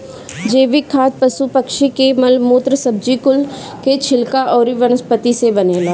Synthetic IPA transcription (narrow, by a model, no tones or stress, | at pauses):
d͡ʒeːʋɪkʰːaːt̪̚pɐsupəkʃikemɐlmoːt̪ɾəsɐb̚d͡ʒikʊl | ket͡ʃʰɪlkaʔɔːɾiʋənəspət̪isebɐneːlaː